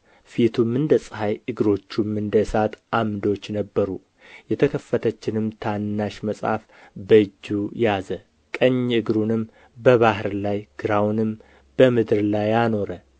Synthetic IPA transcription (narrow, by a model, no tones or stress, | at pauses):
fit̪ʰumːɨnd̪əsʼhajɨɡɾo̞t͡ʃːumɨnd̪əsat̪ʔamd̪o̞t͡ʃːnəbːəɾu | jɛt̪ʰəkʰəfːət̪ʰət͡ʃːɪnɨmt̪ʰanːaʃməsʼa̰f | bəɨd͡ʒːujazə | kʼəɲːɨɡɾunɨm | bəβahɾlajɡ̥ɨɾawnɨm | b̥əmɨd̪ɨɾlajano̞ɾə